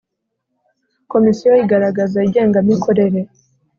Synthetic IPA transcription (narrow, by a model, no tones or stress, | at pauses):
ko̞misijoiɡaɾaɡazaiɟe̞ːŋɡamɲikʰo̞ɾe̞ɾe̞